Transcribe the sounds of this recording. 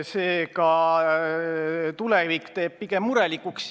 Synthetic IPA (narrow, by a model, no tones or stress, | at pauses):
seːkɑ | t̪ulevikt̪e̞ːb̥̚piɡ̥emːuɾelikːˑuks